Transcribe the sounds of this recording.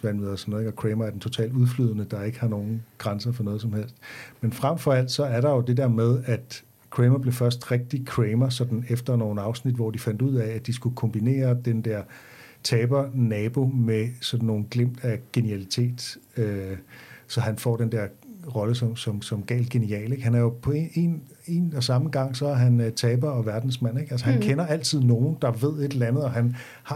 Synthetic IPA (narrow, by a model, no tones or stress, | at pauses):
ʋæn̰mð̩ˠɒsɒnːð̩ˠeɡɒkʰʁeɪmɐæɐdent͡sʰo̝t͡sʰɛ̰ːld̥uðˠfly̰ð̞ˠənəd̥ɑ̈e̝ɡ̥əhɑ̈no̝ːn̩ɡ̥ʁansɐfɒ̽nɔ̽ːð̞ˠs̬ɒ̽mhel̰sd̥menfʁamfɒ̽æl̰d̥sɒ̽æɐɾɑ̈jo̝d̥e̝d̥ɛɐ̰með̞ˠæd̥ | kʰʁeːmɐb̥le̝fɶɐsd̥ʁeɡ̥̚d̥ikʰʁeɪmɐsɒ̽d̥n̩efd̥ɐno̝ːn̩ɑ̈ʊsnid̥ʋɒ̰ːd̥ifæn̰d̥uð̰ˠææd̥isɡ̥ukʰɒ̽mb̥ine̝̰ːɐd̥end̥ɛɐ̰ | t͡sʰɛːb̥ɐnɛːb̥o̝mesɒ̽d̥n̩ːo̝ːn̩ɡ̥lem̰d̥æɡ̥e̝niælit͡sʰe̝̰ːd̥ø | sɒ̽ɦænfɒ̰ːd̥end̥eɐ̰ʁɒ̽ləsɒ̽msɒ̽msɒ̽mɡ̥ɛ̰ːld̥̚ɡ̥e̝niɛ̰ːle̝ɡ̥hænæɐjo̝pʰɒ̽ee̝n | e̝nɒsɑ̈məɡ̥ɑ̈ŋ̰sɒ̽æɐɦænt͡sʰɛːb̥ɐɒ̽ʋæɐd̥n̩smæn̰e̝ɡ̥ælsəhænkʰenɐæl̰t͡sʰið̞̰ˠno̝ːn̩d̥ɑ̈ʋe̝ð̞̰ˠe̝d̥lænð̞̩ˠɒ̽ɦæn | hɑ̈